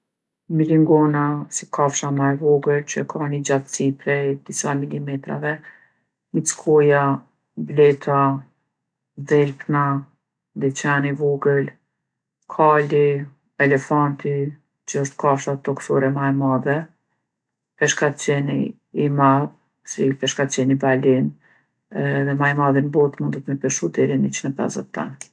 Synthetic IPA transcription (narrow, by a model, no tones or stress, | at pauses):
miliŋɡɔnasikʰafʃamaɛvɔɡəlt͡ɕəkʰanid͡ʑat̪t͡sipɾɛd̪̥isamilimɛt̪ɾa̰vɛ | mit͡skʰɔja | blɛt̪ʰa | ðɛlpna | d̪ɛt͡ɕanivɔɡəl | kʰali | ɛlɛfant̪i | t͡ɕəɔʃt̪̚kafʃat̪ɔksɔɾɛmajmaðɛ | pɛʃkat̪t͡ɕɛnḭː | mað | sipɛʃkat̪t͡ʃɛnibalin | ðɛmajmaðinbɔt̪mund̪ət̪mɛpɛʃud̪ɛɾinit͡ʃnəpɛ̰zə̰t̪ːa̰n